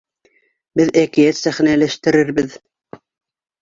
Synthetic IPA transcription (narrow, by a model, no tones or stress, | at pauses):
bɪðækʲijɛt̪sæχnælæʃt̪ɪɾɪɾbɪð